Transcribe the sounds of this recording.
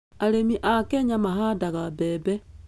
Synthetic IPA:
aɾemiʔakɛɲamaɦadaɣabɛbɛ

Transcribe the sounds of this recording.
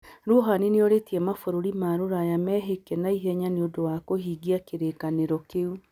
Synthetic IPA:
ɾoɦanineoɾetiɛmafoɾoɾimaɾoɾajamɛːɦekɛnaiɦɛɲaneodowakohiːɡiakeɾekaneɾɔkeu

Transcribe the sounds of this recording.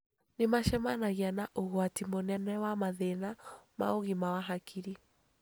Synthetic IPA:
nemaʃɛmanaɣianaʔoɣwatimonɛnɛwamaðenama̰oɣimawaɦakʰiɾi

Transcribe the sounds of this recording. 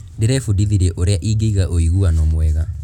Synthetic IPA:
ndeɾɛfudiðiɾɛʔoɾeaʔiɡeiɣaʔoiɣuanɔmwɛɣa

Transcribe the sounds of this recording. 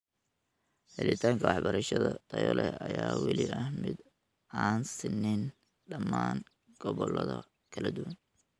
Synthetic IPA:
hɛlɪt̪ʰaːŋkʰɐwɑħbɐɾɐʃɐðɐt̪ʰɐjɔlɛɐjaːwɑlɪɐhmɪd̪ | aːnsɪnːɪn | ɖɐmːaːn | ɡ̥ɔβɔlɐðɐ | kʰɐlɐd̪ʊwɐn

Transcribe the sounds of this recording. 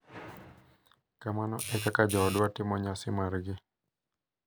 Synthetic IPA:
kamanɔʔɛkakad͡ʒɔdʊatimɔɲasimaɾɡɪ

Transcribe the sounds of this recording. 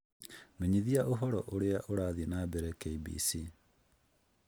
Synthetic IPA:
meɲiðiaʔoɦɔɾɔʔoɾeaʔoɾaːðinabɛɾɛkeibḭsi

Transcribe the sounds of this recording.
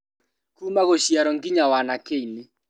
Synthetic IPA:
kumaɣoʃjaɾɔŋɡɪɲawanakeinɪ

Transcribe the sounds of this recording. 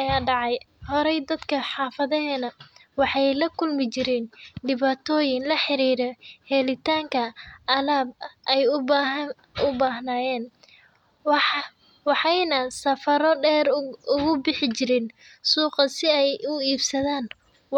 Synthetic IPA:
ɐjaːɖɑʕɑjhɔɾɛjd̪ɐd̪kʰɐħɑːfɐðɐɦɛːnɐ | wɑħɑjlɐkʰʊlmɪt͡ʃɪɾɛnɖɪβaːt̪ʰɔːjɪnlɐħɪɾiːɾɛhɛlɪt̪ʰaːŋkʰɐʔɐlaːbɐʔɛjʊbɦ | ʊbaːɦnaːjɛːn | wɑħɑjnɐsɐfɐɾɔɖɛːɾʊɣʊbɪħɪt͡ʃɪɾɪn | suːqɐsɪɛjʊiːbsɐðaːn

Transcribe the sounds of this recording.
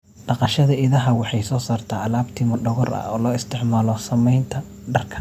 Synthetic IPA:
ɖɑqɑʃɐðɐʔɪðɐɦɐwɑħɑjsɔːsaːrt̪ʰaːʔɐlaːbt̪ʰɪmɐɖɔɣɔrɐ̰ɔːlɔːɪst̪ʰɪʕmaːlɔsɐmɛjnt̪ʰɐ | ɖɐrkʰɐ̥

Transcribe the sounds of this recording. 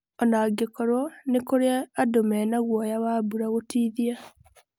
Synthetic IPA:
ɔnaɡekɔɾɔnekoɾeaːdomɛːnaɣwɔjawaːbuɾaɣotiːðia

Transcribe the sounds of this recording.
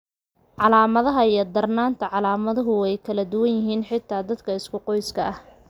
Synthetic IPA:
ʕɑlaːmɐðɐɦɐijɞd̪ɐrnaːnt̪ʰɐʕɑlaːmɐðɐɦʊɛjkʰɐlɐd̪ʊwɐnjɪɦiːnħɪt̪ʰːaːd̪ɐd̪kʰɐɪskʰʊqɔjskʰɐɐh

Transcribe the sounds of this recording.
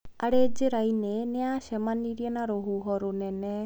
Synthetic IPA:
aɽed͡ʒeɾajnenɛasɛmaniɾijanaɾɔɦuɦɔɾunɛnɛ

